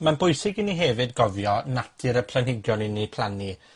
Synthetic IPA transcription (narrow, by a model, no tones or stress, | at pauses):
manbʊjsɪɡɪniɦevɨdɡɔvjɔnatʰɪɾəpʰlanhɪɡjɔnɪnipʰlˠani